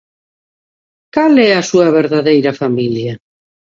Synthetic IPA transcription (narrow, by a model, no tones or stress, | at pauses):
kalɛɐsuɐβeɾðaðejɾɐfamiljɐ